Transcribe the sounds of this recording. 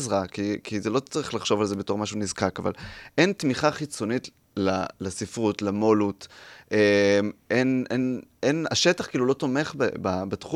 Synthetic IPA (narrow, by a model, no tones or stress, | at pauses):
zʁakikizelo̞t͡saʁiχlaχʃo̞valzebe̞to̞ʁmaʃunizkakava̰lʔentmiχaχit͡so̞nit | lalasifʁutlamolutʔemʔenenena̰ʃetaχkiːlulo̞to̞me̞χbḛbabatχu